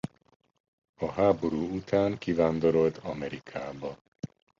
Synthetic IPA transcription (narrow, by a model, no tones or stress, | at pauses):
ɒɦaːbo̞ɾuːut̪ʰaːŋkivaːnd̪o̞ɾo̞lt̪ɒmɛɾikʰaːbɒ